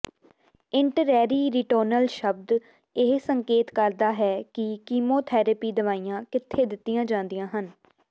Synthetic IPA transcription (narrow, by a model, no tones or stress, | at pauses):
ɪɳʈəɾɛːɾiːɾiʈəːɾnəlʃəb̚d̪ | ɪɦsəŋkeːt̪kəɾd̪aːɦɛːkɪkiːmoːt̪ʰɛːɾəpiːd̪əʋaːiːjãːkɪt̪ʰːeːd̪ɪt̪ːijãːd͡ʒãːnd̪ijãːɦən